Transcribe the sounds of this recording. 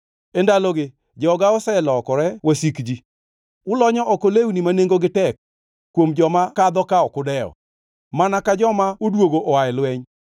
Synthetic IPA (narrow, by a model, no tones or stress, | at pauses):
endalɔɡɪ | d͡ʒɔɡaɔsɛlɔkɔɾɛwasikd͡ʒi | ʊlɔɲɔʔɔkolewunimaneŋɡoɡɪtɛk̚ː | womd͡ʒɔmakad̪ɔkaɔkʊdɛɔ̰ | manakad͡ʒɔmaodwoɡoʔɔwaɛlwɛɲ